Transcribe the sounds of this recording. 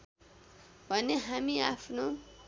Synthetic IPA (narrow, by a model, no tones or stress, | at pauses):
waneɦamia̰fnu